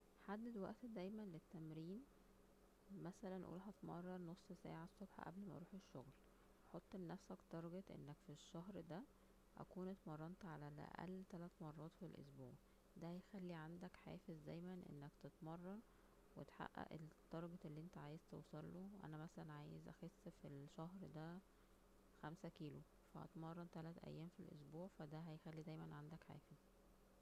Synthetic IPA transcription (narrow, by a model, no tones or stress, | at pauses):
ħad̪ːæd̪wæ̰ʔt̪d̪æjmænlet̪ːæmɾiːn | mæsælænʔṵːlɦæt̪mɑ̰rˤːɑnosˤːsæ̰ːʕasˤːobħɑ̰ʔæ̰blmæɾˤuːħeʃːoɣl | ħot̪ˤːenːæfsækt̪ɑɾˤɑɡet̪ʔḛnːækfiʃːæɦɾd̪æ | ʔæ̰kuːnet̪mɑrˤːɑnt̪ʕalælʔæ̰ʔæ̰lːt̪ælæt̪mɑrˤːɑːt̪filʔo̰sbuːʕ | d̪æhæjxælːiʕand̪ækħḛːfezd̪æjmænʔḛnːækt̪et̪mɑrˤːɑn | wet̪ħa̰ʔːæ̰ʔet̪ˤːɑɾˤɑɡɑt̪ʔelːiːʔent̪æʕaːjezt̪ewsˤɑlːowʔæ̰næmæsælænʕaːjezʔæ̰xesːfilʃæhɾd̪æ | xæmsækiːlu | fæʔɑ̰t̪mɑrˤːɑnt̪ælæt̪ʔæ̰jːæːmfilʔo̰sbuːʕfæd̪æɦæjxælːid̪æjmænʕand̪ækħḛːfez̥